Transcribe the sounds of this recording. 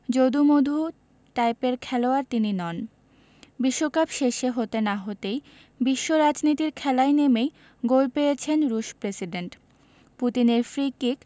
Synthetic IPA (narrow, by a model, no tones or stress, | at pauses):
d͡ʑod̪umod̪ʱu | ʈajpeɾkʰɛloaɾt̪ininɔn | biʃːokabʃeʃeɦot̪enaɦot̪ej | biʃːoɾad͡ʑnit̪iɾkʰɛlajnemej | ɡolpejet͡ɕʰenɾuʃpɾesiɖeɳʈ | put̪ineɾfɾikik